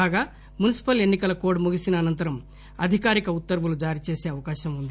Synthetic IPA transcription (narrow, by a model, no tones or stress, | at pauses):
aːɡaː | munisi̥pɐle̞nːikɐlɐkoːɖmuɡisinɐːnɐnt̪ɐɾɐm | ɐd̪ʱikaːɾikɐut̪ːɐɾbulud͡ʒaːɾit͡ʃeːse̞ːɐʋɐkaːʃɐmund̪i